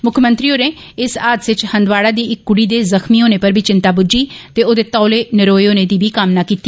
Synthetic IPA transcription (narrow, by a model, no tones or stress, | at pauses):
mʊkʰmə̃nt̪ɾiːoːneː | ɪsaːd̪sɪt͡ʃhə̃nd̪ʋaːɽaːd̪iːɪkːʊɽiːd̪eːzəxmiːoːneːpəɾbiːt͡ʃɪnt̪aːbʊd͡ʒiːt̪eːoːd̪eːt̪ɔːleːnɪɾoːeoːneːd̪iːbiːkamnaːkiːt̪ːiː